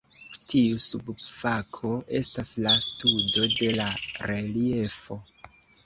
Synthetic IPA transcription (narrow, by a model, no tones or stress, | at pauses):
tiusubfakʰo̞ʔe̞staslastudo̞de̞laɾe̞lie̞fo̞